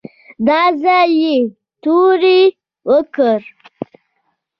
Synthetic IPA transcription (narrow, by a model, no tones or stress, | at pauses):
d̪ɑzaje | t̪uɾi | wəkəɾ